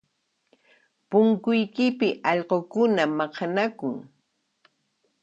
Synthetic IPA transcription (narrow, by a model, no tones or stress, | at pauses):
pʊŋkʊjkɪpɪʔɑʎɢokʊnamɑqɑnakʊŋ